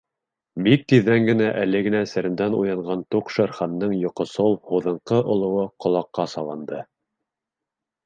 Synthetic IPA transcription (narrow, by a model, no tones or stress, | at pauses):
bik̚t̪iðːæŋɡɘ̆næʔælɘɡɘ̆næsɘ̆ɾɘ̆nd̪ænṵjɑɴɢɑnt̪uqʃæɾχɑnːɤɴjŏqŏsowˠhuðɤ̆ɴqɤʔŏlˠŏwɤqŏlˠɑqːɑsɑlˠɑnd̪ɤ